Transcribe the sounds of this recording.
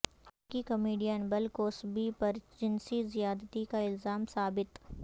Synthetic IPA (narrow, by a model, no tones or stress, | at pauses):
kikɐmiːɖijənbɐlkoːsbipɐɾd͡ʒɪnsizijaːd̪t̪ikaɪlzaːmsaːbɪt̪